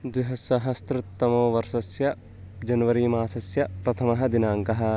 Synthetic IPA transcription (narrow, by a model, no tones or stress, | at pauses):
d̪ʋiɦɐsɐɦɐst̪ɾɪt̪ːɐmoːʋɐɾʃɐsjɐ | d͡ʒɐnɐʋɐɾiːmaːsɐsjɐpɾɐt̪ʰɐmɐɦɐ̆d̪inaːŋkɐɦɐ̆